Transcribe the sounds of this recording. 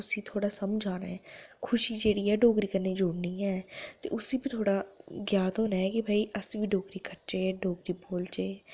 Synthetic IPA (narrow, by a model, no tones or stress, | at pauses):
ʊsĩːt̪ʰoːɽaːsəmd͡ʒaːnaːɛːkʰʊʃiːd͡ʒeːɽiːɛːɖoːkɾiːkəɾneːd͡ʒoːɽniːɛːt̪ḛːʔʊsiːbiːt̪ʰoːɽaːɡjaːt̪ɦoːnaːɛːkɪbʱaːiːʔəsʋiːɖoːɡɾiːkəɾt͡ʃeːɖoːkɾiːboːlt͡ʃeː